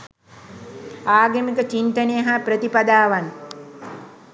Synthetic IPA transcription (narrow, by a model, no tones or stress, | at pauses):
aːɡemikət͡ʃint̪ənejəɦapɾət̪ipad̪aːʋan